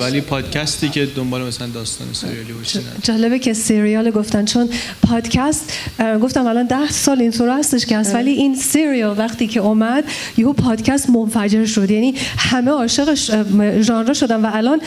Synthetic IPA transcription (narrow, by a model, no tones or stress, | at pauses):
vælipʰɒːd̪̥cʲʰæst̪iːkʰed̪ombɒːlemæsælænd̪ɒːst̪ɒ̰ːnesɾijɑlibod̪æ̰d͡ʒɒːlebecʰe̞seɾijɒleɡoft̪ænt͡ʃʰon | pʰɒːd̪cʰæst̪ɡo̞ft̪æmælɒnd̪æhsɒːlint̪ʰoɾhæst̪e̞ʃcehæst̪væliʔinseɾijɒlvæχt̪iːcʰe̞ɔmæd̪ | jeɦupʰɒːd̪̥cʰæst̪monfæd͡ʒe̞ɾʃo̞d̪jæniːhæmeɒːʃeɣeʃʒɒːnɾeʃod̪ænvæːlɒːn